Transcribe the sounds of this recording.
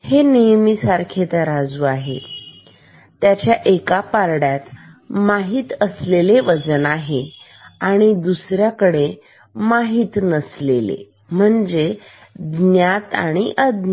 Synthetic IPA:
henejmiːsaɾkʰet̪aɾad͡zuːaɦḛ | t̪jat͡ɕjaʔekapaɾɽjat̪ | maɦiːt̪əsleleʋəd͡zənaɦe | aɽ̃id̪usɾjakəɽe | maɦiːt̪nəslelḛ | m̤əɳd͡ze | d̪njat̪a̰ɽ̃iʔəd̪n

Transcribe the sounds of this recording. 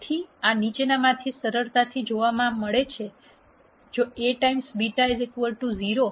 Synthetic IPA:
t̪ʰianit͡ʃenamãt̪ʰisəɾəɾt̪at̪ʰid͡ʒoʋamãməɭet͡ʃʰe | d͡ʒoeʈaimsbiʈaezekʋəɾʈuziɾo

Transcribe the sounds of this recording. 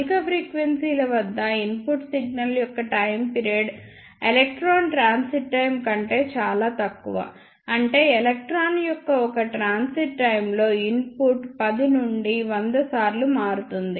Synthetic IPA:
kɐpʰɾiːkʋensiːlɐʋɐd̪ːɐinpuʈsiɡ̚nɐljɔkːɐʈɐjmpiɾieɖ | elek̚ʈɾoːnʈɾaːnsiʈːɐjmkɐɳʈe̞ːt͡ʃaːlaːt̪ɐkːuʋɐ̰ | ɐɳʈe̞ːɛlɐk̚ʈɾaːnjɔkːɐɔkɐʈɾaːnsiʈːɐjmlo̞ːinpuʈpɐd̪inuɳɖiʋɐnd̪ɐsaːɾlumaːɾut̪und̪i

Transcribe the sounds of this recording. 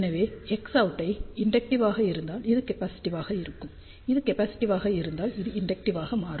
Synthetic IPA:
nɐʋeːɛksɐʊɯʈːɐɪɪɳɖɛk̚ʈɪʋaːɣɐɪɾɯnd̪aːlɪðɯkɐpaːsɪ̥ʈːɪʋaːɣɐɪɾɯkːɯm | ɪðɯkɛpaːsɪ̥ʈːɪʋaːɣɐɪɾɯnd̪aːlɪðɯɪɳɖɛk̚ʈɪʋaːɣɐmaːɾɯ

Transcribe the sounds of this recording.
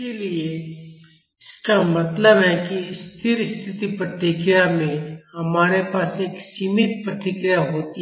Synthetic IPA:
elie | ɪskamɐt̪ləbɦɛkist̪ʰɪɾɪst̪ʰɪt̪ipɾət̪ɾɪkɾijamẽhɐmaːɾepaːseːksiːmɪt̪̚pɾət̪ɾɪkɾɪjaɦoːt̪i

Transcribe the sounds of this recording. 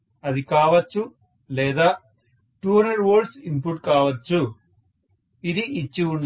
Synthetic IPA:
ɐd̪ikaːʋɐt͡ʃːu | lɛːd̪aː | ʈuːɐɳɖɐɖʋoːɖsimpuʈkaːʋɐt͡ʃːu | id̪iʔit͡ʃːiuɳɖ

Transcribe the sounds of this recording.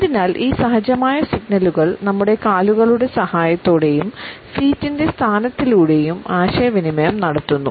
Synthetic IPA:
ɐðinaːlʔiːsɐɦɐd͡ʑɐmaːjɐsiɡnɐluɣɐɭnɐmːuɽe̞kaːluɣɐɭuɽe̞sɐhaːjɐt̪ːoːɽe̞jumfiːtːinde̞st̪ʰaːnɐt̪ːiluːɽe̞jumaːɕɐjɐʋinimɐjɐmnɐɽɐt̪ːunːṵ

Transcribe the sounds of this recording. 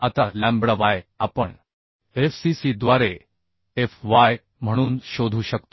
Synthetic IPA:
at̪alæ̃mbɽaʋajapəɳ | efsisid̪ʋaɾe | efʋaj | m̤əɽ̃uːnɕod̪ʱuːɕəkt̪o̥

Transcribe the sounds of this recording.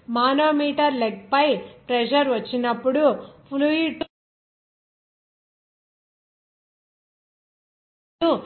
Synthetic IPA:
maːnoːmiːʈɐɾleɡ̚pɐjpɾɛd͡ʒɐɾʋɐt͡ʃːinɐpːuɽupʰuluiʈ | u

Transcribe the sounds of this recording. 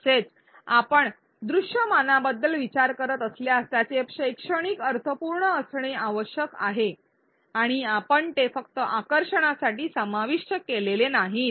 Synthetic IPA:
set͡s | a̰pəɳ | d̪ɾuʂjəmanabəd̪ːəlʋit͡ɕaɾkəɾət̪əsljaəst̪jat͡sepʂəjkʂəɽ̃ikəɾt̪ʰəpuɾɳəːsɳ̃eaʋəɕjəka̰ɦe | aɽ̃iapəɳt̪efək̚t̪əʔakəɾʂəɽ̃asaʈiːsəmaʋiʂəkelelenaɦi

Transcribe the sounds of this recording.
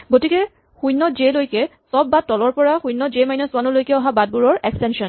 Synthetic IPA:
ɡotikɛ | xujnɔd͡ʒelojkɛsɔbːattːɔlɔɹpɔɹaxujnːɔd͡ʒemajnɔsʊwanɔlojkɛɔɦabad̚buɹɔɹɛkstɛnsɔn

